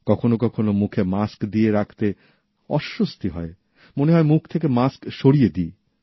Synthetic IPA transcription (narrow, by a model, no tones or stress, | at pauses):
kɔkʰonokɔkʰonomukʰemaskd̪ieɾakʰt̪e | ɔʃːost̪iɦɔe | moneɦɔemukʰt̪ʰekemaskʃoɽijed̪ie